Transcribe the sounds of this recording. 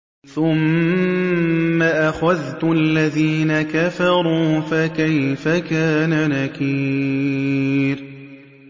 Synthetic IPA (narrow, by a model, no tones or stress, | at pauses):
θʊm | aʔaxaðt̪ʊʔalːaðiːnakafɑɾˤuːfakajfakaːnanakiː | ɾ